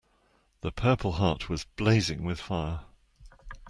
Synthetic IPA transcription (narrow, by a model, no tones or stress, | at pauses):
ðəpʰɜˑpʰəlˠɦɑˑʔwɒzb̥leɪzɪ̃ŋwɪð̥faɪə